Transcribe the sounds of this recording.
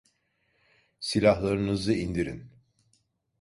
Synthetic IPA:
silʲaɦlˠaɾɯnɯzɯind̪iɾḭn

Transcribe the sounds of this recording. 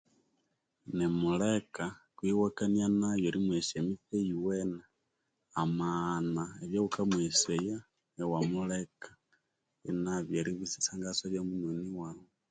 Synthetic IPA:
nemulekakwiwakanianajoɾimweʃemiθejiwena | amanaeβjoɣukamweseja | ewamulekḁ | inaβjaɾiβisi̥saːŋɡasaβjamunoniwawe

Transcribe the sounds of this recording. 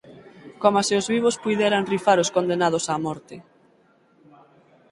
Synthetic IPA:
komaseʊzβiβospujðɛɾanrifaɾoskond̪enað̞ʊsaːmɔɾt̪ɪ

